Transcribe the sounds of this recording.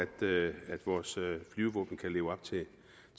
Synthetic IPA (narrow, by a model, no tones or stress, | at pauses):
æd̥æd̥ʋɒːsflyːʊʋɔ̰ːb̥n̩kʰæle̝ːʊɒ̽b̥t͡sʰe̝